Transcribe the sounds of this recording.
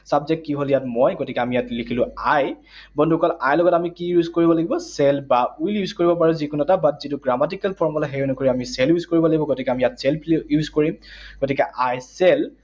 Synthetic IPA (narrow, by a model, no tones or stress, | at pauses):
sabzɛk̚tkːiɦoljatmojɡotikɛamijatlikʰilʊaj | bɔndukɔlajlɔɡɔtamikijuzkoɹibɔlaɡibɔsɛlbauljuzkoɹibɔpaɹuzikunɛtabatzituɡɹamat̬ikalpʰɔɹmɔlaɦeɹunɔkoɹiamisɛljuzkoɹibɔlaɡibɔɡotikɛamijatsɛlpljuzkoɹimɡ̥otikɛʔajsɛl